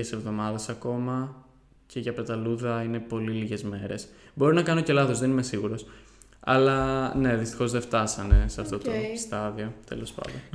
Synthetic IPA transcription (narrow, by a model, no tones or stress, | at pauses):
ese̞vðo̞mɐðe̞sɐko̞mɐ | cʰe̞ʝɐpɾet̪ɐluðɐine̞po̞liliʝe̞zme̞ɾe̞s | bo̞ɾinɐkɐnoce̞lɐθo̞zðe̞nime̞siɣuɾo̞s | ɐ̰lɐne̞ðist̪i̥xo̞zðeft̪ɐsɐne̞sɐft̪o̞t̪ost̪ɐðio̞t̪e̞̰lo̞spɐ̰nd̪o̞n